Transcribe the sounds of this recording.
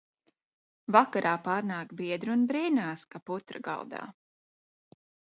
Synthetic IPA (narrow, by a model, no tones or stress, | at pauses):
vakaɾʔaːpaːɾnaːkbiɛd̪ɾunbɾiːnaːskaput̪ɾɐ̰ɡa̰lˠd̪a̰ː